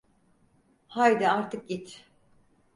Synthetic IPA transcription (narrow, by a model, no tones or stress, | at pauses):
hajd̪ɛaɾt̪ʰɯk̚ɟit̪